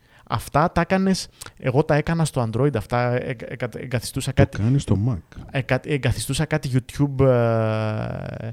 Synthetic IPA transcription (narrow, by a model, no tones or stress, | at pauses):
ɐ̰ft̪ɐt̪ɐekɐne̞se̞ɣo̞t̪ɐe̞kɐnɐst̪o̞ɐnd̪ɾo̞id̪ɐft̪ɐɐḛŋɡɐθi̥st̪usɐkɐt̪ikɐnist̪omɐkeɡɐt̪eŋɡɐθist̪usɐkɐt̪iʝut̪çub